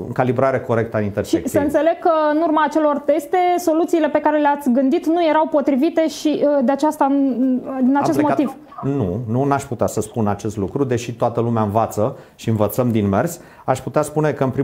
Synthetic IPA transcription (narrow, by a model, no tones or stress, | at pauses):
ɨ̰ŋkalibɾaɾe̞ko̞ɾe̞k̚t̪əanint̪ersʃieksəɨnsele̞ɡ̚kːəɨnurmaːt͡ʃe̞lo̞rt̪e̞st̪e̞so̞lut̪siːle̞pe̞kaɾe̞leat̪sʲɡɨnd̪it̪nuje̞ɾawpo̞t̪ɾivit̪e̞ʃid̪eat͡ʃast̪a | d̪inat͡ʃe̞st̪mot̪iv̥ | nununaʃʲput̪easəspunat͡ʃe̞st̪lukɾud̪e̞ʃit̪oat̪əlumeaɨnvat̪sə | ʃiɨnvət̪səmd̪inme̞rsʲ | aʃput̪easpune̞kəɨnpɾi